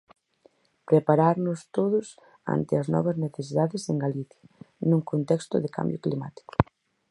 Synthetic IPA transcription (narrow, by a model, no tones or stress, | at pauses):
pɾepaɾaɾnʊst̪oðʊs | a̰nt̪ɪɐznɔ̰βɐzneθesiðaðɪseŋɡaliθjɐnũŋkont̪ɛkst̪ʊðɪka̰mbjoklima̰t̪i̥kʊ̥